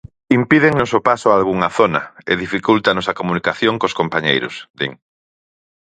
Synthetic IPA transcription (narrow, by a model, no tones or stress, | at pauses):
impiðeŋnosopasʊalɣuŋaθonɐɪ̰ðifikult̪anɔsɐkomunikaθjoŋkoskompaɲejɾʊ̰sd̪ḭŋ